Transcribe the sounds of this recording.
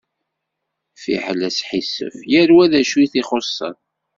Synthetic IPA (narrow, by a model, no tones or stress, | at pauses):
fḭħəlæsħisə̰fjæɾwæðæʃuθiχosˤːə̰n